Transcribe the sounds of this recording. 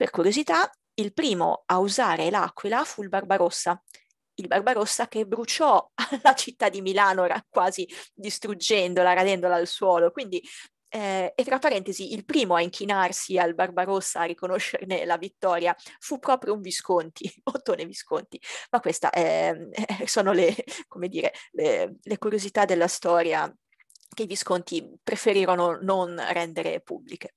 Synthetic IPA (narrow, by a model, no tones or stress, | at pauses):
perkuɾjozit̪a | ilpɾiːmo̰auzaːɾela̰kːwilafuilbarbaɾosːa | ilbarbaɾosːak̟ebɾut͡ʃɔlat͡ʃit̪ːad̪ːimilaːnoɾakwaːzid̪ist̪ɾud͡ʒɛnd̪olaɾad̪ɛnd̪olaːlswɔːlokwind̪i | ɛet̪ːɾapːaɾɛnt̪eziʔilpɾiːmoaiŋkʰinarsialbarbaɾosːaːrikonoʃːḛrnelavit̪ːɔːɾjafupːɾɔːpɾjouɱviskont̪ʰiot̪ːoneviskont̪imakːwest̪a̰ʔɛɛsoːnolekomed̪iːɾelelekuɾjozit̪ad̪ːelːast̪ɔːɾja̰ | keiviskont̪ipɾefeɾiːɾonononrɛnd̪eɾḛpṵbːlike̥